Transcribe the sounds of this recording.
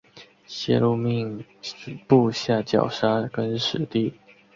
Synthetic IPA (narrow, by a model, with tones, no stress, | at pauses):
ɕjɛ˥˧lu˥˧mi˥˧ŋ˨ | pu˥˧ɕja˥˩t͡ɕjɑ̰˨˩ʊʂa˥kə˦nʂɻ̩˨˩t̪i˥˩